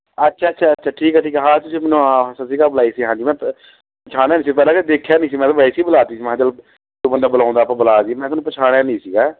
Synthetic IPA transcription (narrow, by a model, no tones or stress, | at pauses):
ətːʃʰaːətːʃʰaːətːʃʰaːʈʰiːkɛʈʰiːkɛɦãːt̪ʊsiːmɛːnũːaːsasiːɡaːbəlaːiːsiːɦãːd͡ʒiːmɛ̃ː | pət͡ʃʰaːɽ̃aːnĩːsipɛːlãːked̪eːkʰːjaːnĩːs̬iːmɛ̃ːt̪aːbaːiːsiːbəlaːt̪iːsiːm̃ːt͡ʃəl | t̪oːbə̃nd̪aːbəlãːʊ̃nd̪aːpãːbəlaːsiːmɛ̃ːt̪ːnũːpət͡ʃʰaːɽ̃aːnĩːsiːɡaː